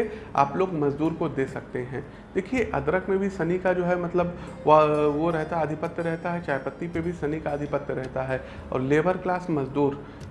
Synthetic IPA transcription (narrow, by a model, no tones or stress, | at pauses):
ea̰ːploːɡmɐzd̪uːɾkod̪eːsɐk̚t̪eɦɛ̃ː | d̪̥eːkʰieʔɐ̰d̪ɾəkʰmẽbʱisɐnikad͡ʒoːɦɛmɐt̪ləb | ʋoɾɛɦt̪aɐd̪ʱɪpət̪jəɾɛɦt̪aɦɛt͡ʃaːjpət̪ːipebʱisɐnikaɐd̪ʱɪpət̪jəɾɛɦt̪aɦɛː | ɔ̰ːɾleːbəɾklaːsmɐzd̪uːɾ